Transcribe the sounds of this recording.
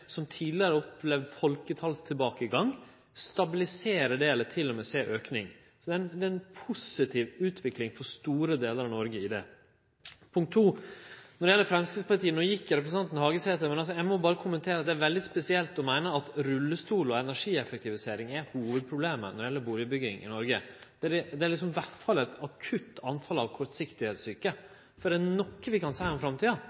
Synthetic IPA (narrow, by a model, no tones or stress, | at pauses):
sɔmt̪ʰiːd̪ɪəɾəɔpʰleːʋfɔlkət̪ʰɑlst̪ʰɪlbɑːkəɪɡɑŋ | st̪ɑbɪlɪseːɾəɖeːlət̪ʰɪlːɔmɛseːʔøːknɪ̰ŋ | sɔd̪ɛnd̪ɛɛnpʰʊsɪt̪ʰɪːʋʉːt̪ʰʋɪklɪŋfɔɾʂt̪uːɾəd̪eːləɾɑʋnɔɾɡəɪd̪ɛ̰ | pʰʊŋkt̪ʰːuːnɔɾɖɪjɛlːəɾfɾɛmskɾɪd̪spʰɑlɪt̪iːənoːjɪkːəɾɛp̬ɾəs̩ʰɑnt̪ən̩hɑːɡəseːt̪əmɛnɑls̬ɔjæɪmɔbɑːɾəkʰʊmənt̪ʰeːɾɑt̪̚d̪ɛæɾʋɛld̪ɪspɛsɪɛlt̪ɔmæɪnəɑt̪ɾʉlːəst̪uːlɔɛnæʂiːɛfɛk̚t̪ɪʋɪseːɾɪŋæhuːʋəd̪̚pʰɾʊbleːmə̰nɔɖɪjɛlːəbuːlɪəbʏɡɪŋɪ̰nɔɾɡəd̪̥ɛæɖɛd̪ɛælɪks̬ɔmʋæʈfɑlːɛt̪ɑkʰʉt̪ːɑnfɑlɑʋkʰɔɾsɪkt̪ɪheːt̪syːkə | fɔɾɖ̪ɛænɔkːəʋɪkɑnsæɪɔmfɾɑmt̪iːɑ